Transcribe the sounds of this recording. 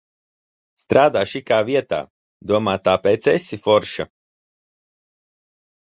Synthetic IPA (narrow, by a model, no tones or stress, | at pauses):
st̪ɾaːd̪aːʃikaːviɛt̪a̰ː | d̪uɔmaːt̪aːpɛːt̪sɛsʲifɔɾʃa̰